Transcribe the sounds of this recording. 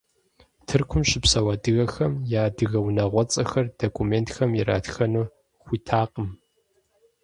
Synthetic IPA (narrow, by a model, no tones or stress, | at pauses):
tʰɨrkʷʰʊmɕɪpsɐwɐdɨɣɐxɐmjaːdɨɣɐwnɐʁʷɔt͡sʼɐxɐrd̥okʷʰʼumeːntxɐmjɪɾa̰ːtxɐnuː | χʷiːtʰaːqʼəm